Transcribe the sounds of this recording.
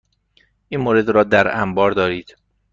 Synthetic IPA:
ʔiːnmoːɾe̞d̪ɾɒːd̪æɾæmbɒːɾd̪ɒːɾiːd̪̥

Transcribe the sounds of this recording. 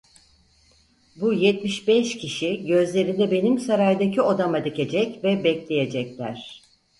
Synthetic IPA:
bujɛt̪miʃbɛʃcʰiʃiɟø̞zlʲe̞ɾind̪ɛbe̞nimsaɾajd̪acʰio̞d̪amad̪ice̞d͡ʒɛcvɛbɛclʲe̞jed͡ʒɛclʲæɾ̝̥

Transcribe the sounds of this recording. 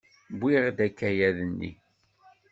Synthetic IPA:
bʷːiʁd̪ækːæjæðənːḭ

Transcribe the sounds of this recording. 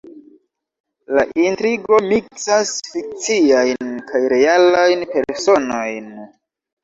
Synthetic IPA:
laʔintɾiɡo̞miksasfik̚t͡siajnkajɾe̞alajnpe̞ɾso̞no̞jn

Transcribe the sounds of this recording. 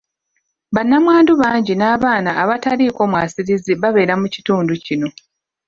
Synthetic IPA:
βanːamwaːnduβaːɲɟinaːβaːnaːβataɾiːko̞ːmwaːsiɾiziβaβe̞ːɾamuci̥tuːnducino̞

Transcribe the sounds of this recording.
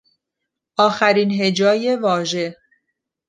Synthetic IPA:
ʔɒːxæɾiːnɦe̞d͡ʒɒːje̞vɒːʒe̞

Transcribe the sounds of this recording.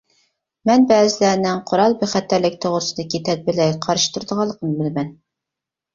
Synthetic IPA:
mɛnbæːzɪlæɾnɪŋqʰoɾɑlˠbɘχæt̪ːælɪk̚ʲt̪ʰoʁɾsɨ̆d̪ɑkʲit̪æt̪̚bɪlɛjqʰɑɾʃt̪ʰuɾd̪əʁɑlˠːə̆qnɤbɪlmɛn

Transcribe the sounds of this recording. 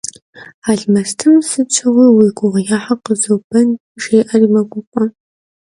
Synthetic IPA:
aɮmɐstʰɨmsɨt͡ʃʷʰɐʁɐwiɡʷʊʁjaːħaqəzowbɐn | ʂeːjʔɐrimɐɡʷʊqʷʼɔ

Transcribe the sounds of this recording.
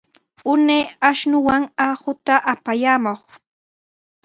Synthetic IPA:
ʊnejaʃnʊwaŋahʊt̪aʔapajaːmoχ

